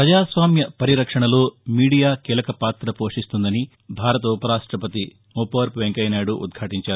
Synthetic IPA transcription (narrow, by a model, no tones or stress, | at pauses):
pɾɐd͡ʒaːsʋaːmjɐpɐɾiɾɐkʂɐɳɐlo̞ːmiːɽijaːkiːlɐkɐpaːt̪ɾɐpo̞ːʂist̪und̪ɐni | bʱaːɾɐt̪ɐupɐɾaːʂʈɾɐpɐt̪i | upaːɾpʋeŋkɐjnaːɽuʔṵd̪ɡʱaːʈiɲt͡ʃaːɾu